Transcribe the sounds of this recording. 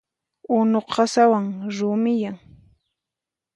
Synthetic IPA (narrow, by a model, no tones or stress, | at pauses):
ʊnoqɑsawaŋɾʊmɪjaŋ